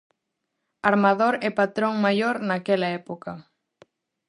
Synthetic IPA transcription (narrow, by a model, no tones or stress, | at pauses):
aɾmaðoɾɛpat̪ɾoŋmajoɾnakɛlaɛpoka